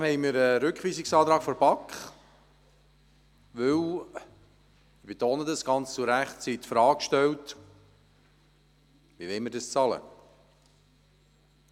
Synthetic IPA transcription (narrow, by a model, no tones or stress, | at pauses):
hɛɪmɪɾəɾʏkχʋiːsɪksɑːt̪ɾɑːɡ̥fɔɾbɑkχ | ʋɵw | ɪb̥et̪oːnədəsɡ̥ɑnt͡st͡suɾæχtt͡sit̪fɾɑːkʃtɛwt̪ | ʋiʋɛɪməɾdəst͡sɑlə̰